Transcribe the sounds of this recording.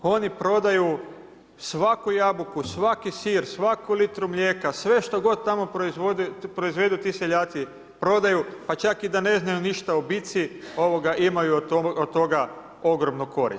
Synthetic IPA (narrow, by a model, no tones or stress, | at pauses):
o̞nipɾo̞d̪aju | sʋakujabukusʋakisiːɾsʋakulit̪ɾumʎʲeːkasʋe̞ʃt̪oɡo̞d̪̚t̪amopod̪pɾo̞izʋe̞d̪ut̪iseʎaːt̪si | pɾo̞d̪ajupat͡ʃakid̪ane̞znajuniʃt̪aobit̪sio̞ʋo̞ɡaʔimajuot̪ːo̞ɡa | o̞ɡɾomnuko̞ɾḭ